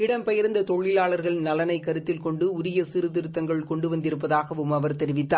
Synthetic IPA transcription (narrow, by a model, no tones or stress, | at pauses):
ɪɽɐmpɛjɪɾnd̪ɐt̪ɔɭːɪlaːɭɐɾɣɐɭnɐlɐnɐɪkːɐɾɯt̪ːɪlkɔɳɖɯʊɾɪjɐsɪɾɯðɪɾɯt̪ːɐŋɡɐɭkɔɳɖɯʋɐnd̪ɪɾɯp̬ːɐðaːɣɐʋɯmɐʋɐɾt̪ɛɾɪʋɪt̪ːaː